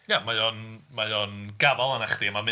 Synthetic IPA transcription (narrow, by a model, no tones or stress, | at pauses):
jamajɔnmajɔnɡavalˠanaχd̪iəmamɨ